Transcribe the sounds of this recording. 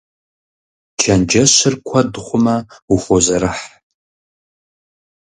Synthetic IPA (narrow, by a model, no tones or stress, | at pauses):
d͡ʒʰɐnd͡ʒɐɕɪrkʷʰɐdχʷʊmɐuχʷozɐɾɨħ